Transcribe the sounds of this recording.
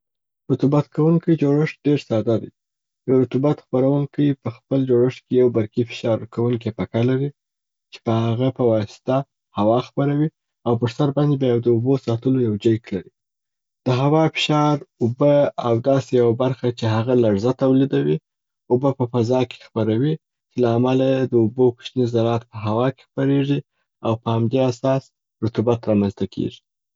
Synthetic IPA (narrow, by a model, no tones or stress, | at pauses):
ɾʊt̪ubat̪kʰawuŋkəjd͡ʒoɽəʂɖeɾsɑd̪ad̪a̰j | jawɾʊt̪ubat̪xpaɾawuŋkəjpəxpəld͡ʒoɽəʂkejawbaɾkifɪ̥ʃɑɾkawuŋkepakalaɾi | t͡ʃe̥pəhaɣapəwɑsɪ̥t̪a | hawɑxpaɾawi | awpəɾsaɾbɑnd̪ebajawd̪əubosɑt̪əlojawd͡ʒajklaɾi | d̪̥əɦawɑfɪ̥ʃɑɾʊbəawd̪ɑsejawabaɾxat͡ʃeɦaɣalaɽzat̪awlid̪awi | ʊbəpəfazɑke̥xpaɾawi | t͡ʃelaːmalajed̪əubokʊ̥ʃnizaɾɑt̪̚pəɦawɑke̥xpaɾeʐi | awpəhamd̪easɑs | ɾʊt̪ubat̪ɾɑmanzt̪akʰḛʐi̥